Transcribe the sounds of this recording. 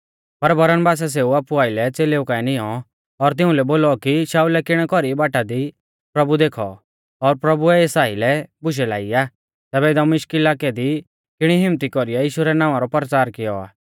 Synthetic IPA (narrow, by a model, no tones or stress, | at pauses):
pɐɾbɐɾənbaːs̬as̬eːuaːpuaːɪlɛt͡seːleukaɛnɪɔ | ɔɾt̪̬ɪ̃ʊ̃lɛboːlɔkiʃaːulɛkɪɽ̃ɛkɔɾibaːʈad̪i | pɾɐbud̪eːkʰɔ | ɔɾpɾɐbuɛeːsaːilɛbʊʃ̬ɛlaːiaː | t̪ɛːbɛɪd̪ɔmɪʃkɪlaːkɛd̪i | kɪɽ̃iɦɪmt̪ikɔɾijajiːʃuɾɛnãːʋãɾɔpɐɾt͡ʃaːɾkɪjɔa̰ː